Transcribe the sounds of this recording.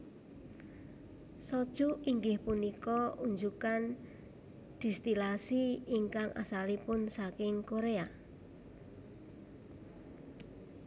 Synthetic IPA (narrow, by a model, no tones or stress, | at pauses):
sɔd̥ʒ̥uiŋɡɪhpunikɔʔuɲd͡ʒukan | d̪̥i̤st̪ilasiːŋkaŋʔa̰salipʊnsakɪŋkoɾea